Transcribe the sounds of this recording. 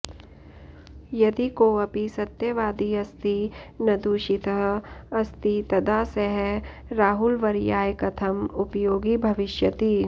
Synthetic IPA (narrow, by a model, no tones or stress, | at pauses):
jɐd̪ikoɐpisɐt̪jɐʋaːd̪iɐst̪inɐd̪uːʃit̪ɐɦɐst̪it̪ɐd̪aːsɐɦɛ | ɾaːɦʊlʋɐɾjaːjkɐt̪ʰɐmʊpjoːɡibʱɐʋɪʃjɐt̪iː